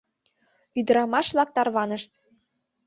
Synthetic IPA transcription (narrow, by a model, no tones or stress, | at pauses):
yd̪ə̆ɾɑmɑʃβlɑk̚t̪ɑrβɑnəʃt̪